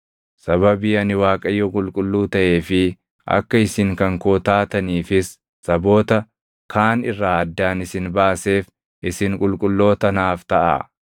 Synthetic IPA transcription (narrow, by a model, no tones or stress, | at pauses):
sɐβɐbiːɐnɪwaːkʼɐjːɔkʼʊlkʼʊlːuːt̪ɐʔe̞ːfɪ | ʔɐ̰kːɐɪsɪŋkɐŋkoːt̪aːt̪ɐniːfɪsː | ɐbo̞ːt̪ɐ | kʰaːnɪrːaːɐd̪ːaːnɪsɪnbaːse̞ːf | ʔɪsɪŋkʼʊlkʼʊlːo̞ːt̪ɐnaːft̪ɐʔa̰ː